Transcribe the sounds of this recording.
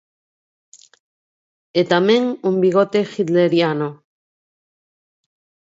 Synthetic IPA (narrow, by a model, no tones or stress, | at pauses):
et̪ameŋumbiɣ̞ot̪exit̪leɾjano